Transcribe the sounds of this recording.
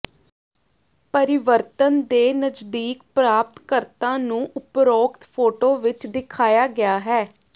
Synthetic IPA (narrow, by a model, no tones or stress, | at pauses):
pəɾɪʋəɾt̪ənd̪eːnəd͡ʒd̪iːk̚pɾaːp̚t̪kəɾt̪ãːnũːʔʊpɾoːkt̪pʰoːʈoːʋɪt͡ʃd̪ɪkʰaːjaːɡɪaːɦɛː